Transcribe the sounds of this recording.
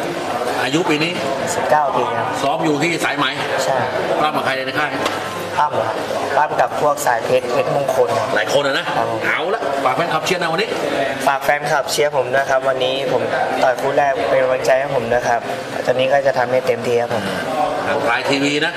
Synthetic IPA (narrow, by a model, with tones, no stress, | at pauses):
ʔaː˧ju˦˥piː˧niː˦˥˨si˨˩p̚kaː˥˩wt̪u˧ɐkʰa˦˩sɔː˦˥mjuː˨˩t̪ʰiː˥˩saː˩˦jma˨˦jt͡ɕʰa˥˩baː˥˩ma˨˩pʰa˧jna˧jna˧jkʰaː˥˩j | kʰa˧˥˩m˨a˧˥ | baː˥˩mka˨˩pʰu˥˩ək̚saː˨˩˦jpʰe˦˥t̪̚pʰe˦˥t̪̚mu˧˥˩ŋkʰo˧nkʰa˧˦˥laː˨˦jkʰo˧na˧na˦˥ʔkʰa˦˧˩pʰo˨˦maː˨˦wla˦˥ʔpaː˨˩k̚fɛ˧nkʰa˨˩p̚t͡ɕʰi˥˨na˧˥wa˧nːiː˦˥paː˨˩k̚fɛː˧nkʰa˨˩p̚t͡ɕʰi˦˥˨pʰo˩˦mnuː˦˥˧kʰa˦˥p̚wa˧nːiː˦˥pʰo˩˦mt̪ɔː˨˩nkʰuː˧˥˩dɛː˥˩kpa˧ja˧wa˧nt͡ɕa˧jkʰa˦˥˩pʰo˨˩˦mna˦˥kʰa˦˥p̚ | a˧˩t͡ɕaː˧˩niː˦˥kɔː˥˩t͡ɕa˨˩t̪ʰa˧mːnaː˥˩jt̪e˧mt̪ʰiː˧kʰa˦˥˩pʰo˩˦m˥naː˨˦wsaː˨˦jt̪ʰiː˧wiː˧na˦˥